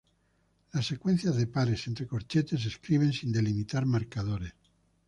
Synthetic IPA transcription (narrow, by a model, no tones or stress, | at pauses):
lasːe̞kwe̞n̟θjazðe̞paɾesent̪ɾeko̞ɾt͡ʃet̪e̞s̬e̞skɾiβ̞e̞nsind̪e̞limit̪aɾmaɾkaðoɾes